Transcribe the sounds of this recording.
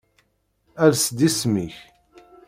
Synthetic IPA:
æɾsd̪ismiç

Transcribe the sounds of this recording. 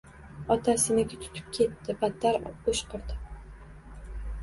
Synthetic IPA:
ɒt̪ʰasɪnɪkʲɪt̪ʰʊ̥t̪ʰɪ̥p̚kʲʰe̞t̪ːɪbat̪ːaɾoʃqʰɨɾd̪ɪ

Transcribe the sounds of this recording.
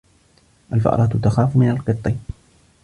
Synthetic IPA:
ʔalfa̰ʔɑ̰ɾˤɑːt̪t̪axaːfmɪnalqɨt̪ˤːɨ

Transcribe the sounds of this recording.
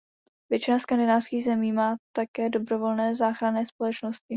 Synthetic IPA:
vjɛt͡ʃɪnaskandɪnaːfskiːɣzɛmiːmaːt̪akɛːdo̞bɾo̞vo̞lnɛːzaːxɾanɛːspo̞lɛt͡ʃnoscɪ

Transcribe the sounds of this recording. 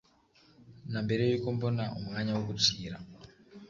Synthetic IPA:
nambeɾijikombonaṵmŋaɲawokut͡siːɾa

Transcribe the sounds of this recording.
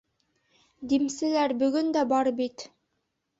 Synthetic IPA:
d̪imsɘ̆læɾbɵ̆ɡɵnd̪æbɑɾbit̪

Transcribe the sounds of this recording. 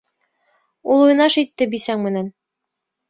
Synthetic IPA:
ulˠuj̆nɑʃit̪ːɘbisæŋmɘ̆næn

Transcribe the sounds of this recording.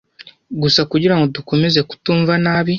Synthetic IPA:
ɡusakuɟiɾaŋɡo̞duko̞meze̞ku̥tuːɱvanaːβi

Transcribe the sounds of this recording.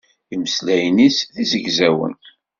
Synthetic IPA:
iməslæjnisðizəʝzæwə̰n

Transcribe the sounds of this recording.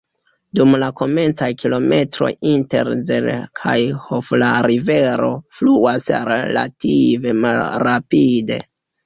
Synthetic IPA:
dumlako̞me̞nt͡sajkilo̞me̞tɾo̞̰jinte̞̰ɾzḛlkʰajhoflaɾive̞ɾo̞̰fluasɾela̰tive̞malɾapide̞̰

